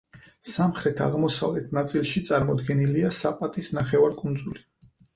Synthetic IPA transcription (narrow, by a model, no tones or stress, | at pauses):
samχɾɛt̪ʰa̰ʁmɔsa̰vlɛt̪ʰnat̪sʼilˠʃit̪sʼaɾmɔd̪ɡɛniliasapʼat̪ʼisnaχɛvaɾkʼund̪zuli